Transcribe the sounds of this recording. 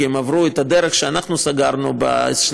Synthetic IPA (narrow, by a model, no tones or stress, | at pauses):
emavɾuet̪ad̪eɾeχʃeanaχnusaɡaɾnuba̰ʃ